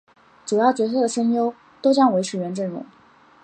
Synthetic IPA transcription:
ʈ͡ʂu˨˩jɑ˥˩ʊt͡ɕɥɛ˧˥s̬ʰɤ˥˩d̪ə˩ʂə˥ŋjo˥ʊ | t̪o˥ʊt͡ɕjɑ˥ŋwe˧˥ɪʈ͡ʂʰɻ̩˨˩ɥɛ˧˥nʈ͡ʂə˥˩nɻʊ̰˧˥ŋ

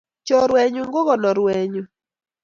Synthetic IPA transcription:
t͡ʃɔ˨ɾwɛ˨ɲu˨ŋɡo˦ɣɔ˨nɔ˨ɾwɛ˨ɲo˨

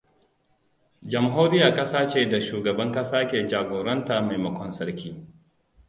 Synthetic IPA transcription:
d͡ʒɐ˨mɦoː˦ɾɪ˦ja˨kʼɐ˦saː˦t͡ʃeː˨da˨ʃuː˨ɡɐ˨bɐ˦ŋkʼɐ˦saː˦kʲeː˨d͡ʒaː˨ɡʷoː˨ɾɐ˦ntaː˨ma˨jmɐ˦kʷɔ˦nsɐ˦ɽkʲiː˦

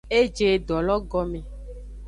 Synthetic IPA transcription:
e˦d͡ʒe˨ɖɔ˨lɔ˦ɡɔ˦mẽ˨

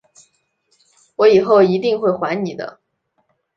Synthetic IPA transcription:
wɔ˧˥i˨˩xo˥˩ʊi˧˥t̪i˥˧ŋxwe˥˩ɪxwa˧˥ɪni˨˩d̪ə̰˦

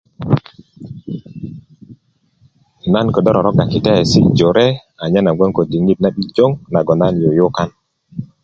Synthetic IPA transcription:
na˦nko˨dɔ˦ɾɔ˨ɾɔ˦ka˨ki˨te˦˨si˦d͡ʒo˨ɾe˦ | a˨ɲa˦na˨ɡʷe˦ŋko˨di˨ŋi˦t̚na˦ɓi˦d͡ʒo˦ŋna˨ɡɔ˨na˦njo˨jo˦ka˦n

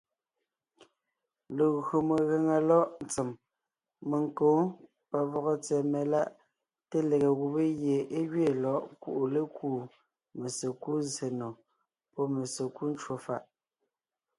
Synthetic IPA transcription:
le˨ɣo˨me˨ɣe˨ŋa˨lɔ˦ʔn̩˨t͡se˨m | me˨ŋ˨ko˨˦ | pa˨vɔ˨ɣɔ˦t͡sɛ˨me˨la˦ʔ | te˦le˨ɣe˨ɣu˨be˦ɣje˨ʔe˦ɣɥe˦˨lɔ˦ʔkṵ˨ʔu˨le˦kuː˦˨ | me˨se˨ku˦ze˨nɔ˨ | pɔ˦me˨se˨ku˦n˦t͡ʃwo˨fa˦˨ʔ

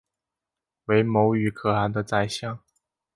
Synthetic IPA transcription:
we˧˥ɪmo˧˥ʊy˨˩kʰɤ˨˩a˧˥nd̪ə˧t͡sa˥˧ɪɕjɑ˥˩ŋ

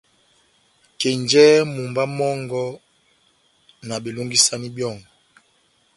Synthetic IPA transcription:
ke˨ɲd͡ʒɛ˦mu˨mba˦mɔ˦ŋɡɔ˦ | na˨ɓe˨lo˦ŋɡi˦sa˦ni˦bjɔ˦˨ŋ

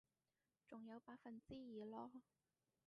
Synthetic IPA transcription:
t͡sʊ˨˩ŋjɐ˨˧wpaː˧˥k̚fɐ˨nt͡siː˥jiː˨˩lɔː˥

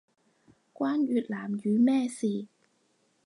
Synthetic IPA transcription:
kʷwaː˥njyː˨˩t̚laː˨˩mjyː˨˧mɛː˥˩siː˨˩

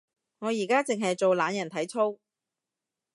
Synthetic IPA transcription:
ŋɔː˨˧jiː˨˩kaː˥t͡sɪ˨ŋɦɐ˨jt͡so˨wlaː˨˧njɐ˨˩nt̪ʰɐ˨˥jt͡sʰo˥w

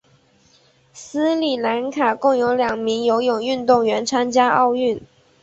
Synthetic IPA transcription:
s̩˥li˨˩la˧˥nkʰa˨˩kʊ˥˩ŋjo˧˥ʊljɑ˨˩ŋmi˧˥ŋjo˧˥ʊjʊ˨˩ŋy˥˧nt̪ʊ˥˩ŋɥɛ˧˥nt͡sʰwa˥nt͡ɕja˥ʔɑ˥˧ʊy˥˩n

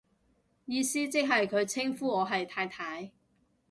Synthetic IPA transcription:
jiː˨˧siː˥t͡sɪ˥k̚ɦɐ˨jkʰɵ˨˧ɥt͡sʰɪ˥ŋfuː˥ɔː˨˧ɦɐ˨jt̪ʰaː˧jt̪ʰaː˨˥j

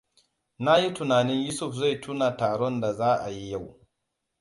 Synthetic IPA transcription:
na˦ji˦tʊ˨naː˨nɪ˦ɲju˦sʊ˦˨ɸza˦˨jtʰu˦na˨taː˨ɽɔ˦nda˨zaː˦ʔa˨ji˦ja˦˨w

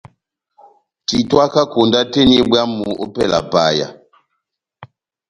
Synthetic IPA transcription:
ti˨twa˦ka˦ko˨nda˦te˦n˦i˦bwa˦mu˨ʔo˦pɛ˦˨la̰˨pa˦˨ja̰˨

